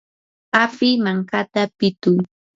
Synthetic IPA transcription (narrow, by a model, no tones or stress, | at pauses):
afɪmaŋkat̪apɪt̪ʊŋ